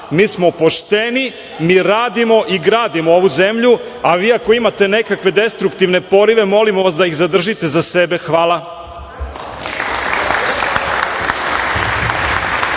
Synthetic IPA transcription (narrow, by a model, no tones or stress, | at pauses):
miːsmo̞po̞ʃt̪eni | miːɾaːd̪imo̞ʔiɡɾaːd̪imooʋuze̞mʎu | aʋiːako̞imat̪e̞ne̞kakʋe̞d̪e̞st̪ɾukt̪iʋne̞po̞ɾiʋe̞mo̞limoʋas̬d̪ajixzad̪r̩ʒit̪e̞zase̞be̞xʋaːlˠa